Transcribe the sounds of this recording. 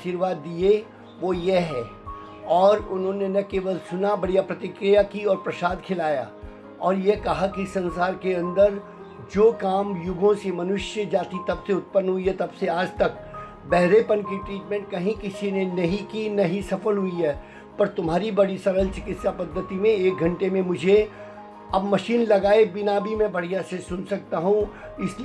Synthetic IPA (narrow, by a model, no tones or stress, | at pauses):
ʃiːɾʋaːd̪ːie | ʋoːjeɦɛː | ɔːɾʊnɦõnenɐkeːʋəlsʊnabɐɽijapɾɐt̪ɪkɾijakiɔːɾpɾɐsaːd̪kʰɪlaːja̰ː | ɔːɾjekɐɦakisɐ̃nsaːɾkeɐ̃nd̪əɾ | d͡ʒoːkaːmjʊɡʱõsemɐnʊʃjəd͡ʒaːt̪it̪ɐbseʊt̪̚pənːɦʊiɦɛt̪ɐbseaːd͡ʒt̪ɐk̚ | bɛɦɾepɐnkiʈɾiːʈmɛ̃ːɳʈ̚kɐɦĩkɪsinenɐɦĩkinɐɦĩsɐfəlɦʊiɦɛː | pɐɾt̪ʊmɦaːɾibɐɽisɐɾəlt͡ʃɪkɪt̪sapɐd̪ʱːət̪imẽeːk̚ɡʱɐ̃ɳʈemẽmʊd͡ʒʱe | ɐbmɐʃiːnlɐɡaːebɪnabʱimɛ̃bʱɐɽ̤ijasesʊnsɐk̚t̪aɦũ | ɪsl